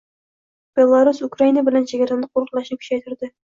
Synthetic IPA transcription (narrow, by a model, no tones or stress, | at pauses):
b̥e̞lˠːaɾusʊkɾainabɪlænʃeɡʲaɾanlɨq̚ʰːoɾə̆qlˠɑʃnɪkʲʰʊ̥ʃajt̪ɪɾd̪ɪ